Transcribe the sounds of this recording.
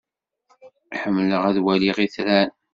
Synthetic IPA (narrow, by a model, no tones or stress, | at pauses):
ħəmːələʁæðwæliʁiθɾæn